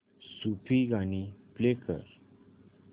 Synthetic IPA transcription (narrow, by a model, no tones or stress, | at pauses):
supʰiɡaniplekə̰ɾ